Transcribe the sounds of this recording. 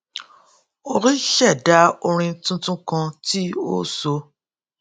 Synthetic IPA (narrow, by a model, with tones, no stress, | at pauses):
o˧ɾi˦ʃɛ˦˨da˨˦o˧ɾ̃ĩ˧tũ˦tũ˦kã˧ti˦o̰˦so˧